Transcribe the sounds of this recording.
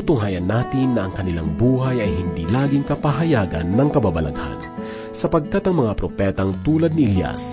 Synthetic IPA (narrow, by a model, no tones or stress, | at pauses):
t̪ʊŋɦaːjɐnːaːt̪ɪnːɐʔɐŋkɐnɪla̰ŋbuːɦɐjɐjhɪnd̪iːlaːɡɪŋkɐpɐɦɐjaːɡɐ̰nːɐŋkɐbabɐlɐ̰ɡha̰n | sɐpɐɡ̚kat̪ɐŋmɐŋapɾopɛːt̪ɐŋt̪uːlɐd̪̚nɪʔɪlja̰s